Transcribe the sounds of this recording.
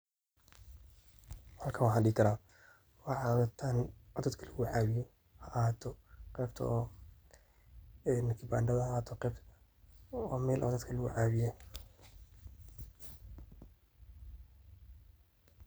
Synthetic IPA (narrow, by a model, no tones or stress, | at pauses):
hɐlkʰɐwaħɑɗɪːkʰɐɾaː | wɑʕɑːwðɐt̪ʰaːnʕɔd̪ɐd̪kʰɐlɐɣʊʕaːβɪjɔ | hɐʔaːt̪ʰɔqɛːbt̪ʰɔ̰ʔː | ɛnɪkʰɪbaːnɖɐðɐaːt̪ʰɔqɛːb | ɔːmɛːlʔɐ̰d̪ɐd̪kʰɐlɐɣʊʕaːβɪjɔ